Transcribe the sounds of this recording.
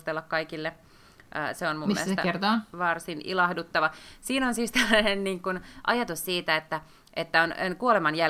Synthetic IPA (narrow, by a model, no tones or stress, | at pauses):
st̪elːɑkkɑikilːe | ʔə̰ːseonmumieest̪ert̪oːʋɑrsinʔḭlɑhdut̪ːɑʋɑsiːnonsiːst̪elːænenniːŋkunʔɑ̰jɑt̪ussiːt̪æet̪ːæ | ʔet̪ːæonenkuolemɑnjæ